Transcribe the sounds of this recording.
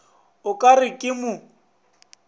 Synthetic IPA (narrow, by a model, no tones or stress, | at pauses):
ʊkʼarɪkʼɪmʊ